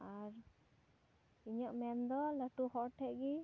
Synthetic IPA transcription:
aɾ | iɲɔʔmɛnd̪ɔləʈuhɔʔʈʰɛʔɡi

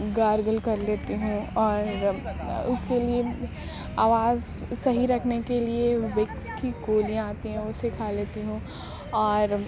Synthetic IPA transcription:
ɡaːɾɡəlkɐɾleːt̪iɦũɔːɾ | ʊskelie | aːʋaːz | sɐɦiɾɐkʰnekelieʋɪkskiɡoːlijãaːt̪iɦɛ̃ʊsekʰaːleːt̪iɦũː | ɔːɾ

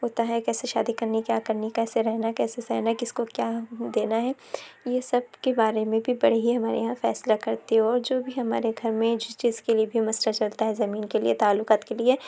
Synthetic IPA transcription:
ɦoːt̪aɦɛkɛːseʃa̰ːd̪ikɐɾnikjaːkɐɾnikɛːseɾɛɦnakɛːsesɛ̰ːɦnakɪskokjaːd̪eːnaɦɛ | jesɐb̚kebaːɾemẽbʱibɐɽ̤iɦiɦɐmaːɾḛjɦãfɛ̰ːslakɐɾt̪iɦɛ̃ɔːɾd͡ʒoːbʱiɦɐma̰ːɾeɡʱɐɾmẽd͡ʒɪt͡ʃiːzkeliebʱimɐsɾat͡ʃɐlt̪aɦɛzɐmiːnkelḭet̪aːlːʊkaːt̪kelie

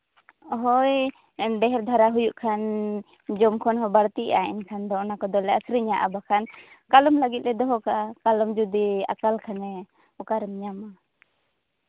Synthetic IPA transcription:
ɔɦɔj | ɖɛɦɛɾd̪ʱaɾaɦujuʔkʰan | d͡ʒɔmkʰɔnɦɔbaɾt̪iʔa̰ḭnkʰand̪ɔɔnakɔd̪ɔlɛasɾiɲaʔa̰bakʰan | kalɔmlaɡit̪̚ɾɛd̪ɔɦɔkakalɔmd͡ʒud̪ia̰kalkʰanɛ | ɔkaɾɛmɲama

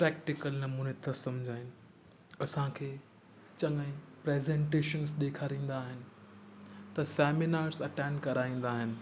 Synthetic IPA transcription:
pɾɛːk̚ʈɪkəlnɐmuːnet̪ʰɐsɐ̃md͡ʑʱaːɪnɪ̆ | ɐsãkʰeː | t͡ɕɐŋəɪ̃pɾeːzẽɳʈeːʃənzɗeːkʰaːɾĩːn̆d̪aːɦɪnɪ̆ | t̪ɐsɛːmɪnaːɾzɐʈɛ̃ːɳɖkɐɾaːĩːn̆d̪aːɦɪnɪ̆

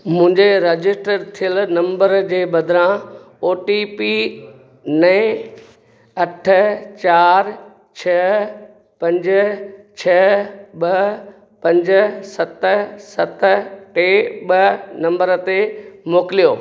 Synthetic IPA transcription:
mʊ̃ɦɪ̃ɲd͡ʑeɾed͡ʑɪsʈəɾt̪ʰijəlnɐ̃mbəɾd͡ʑeːbɐd̪ʱɾã | oːʈipi | nɐɪ̃ | ɐʈʰə̆t͡ɕaːɾ | t͡ɕʰɐ | pɐ̃ɲd͡ʑt͡ɕʰɐɓɐ | pɐ̃ɲd͡ʑ̆sɐt̪sɐt̪ʈeːɓɐnɐ̃mbəɾət̪emoːkɪlijoː

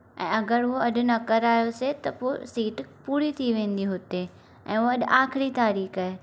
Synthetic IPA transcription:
ɛ̃ːɐɡəɾʊɦoɐɗʊ̆nɐkɐɾaːjoset̪ɐpoːsiːʈpuːɾit̪ʰiʋẽːn̆d̪iɦʊt̪e | ɛ̰̃ːoɐɗʔaːxɪɾit̪aːɾiːxaːɦe

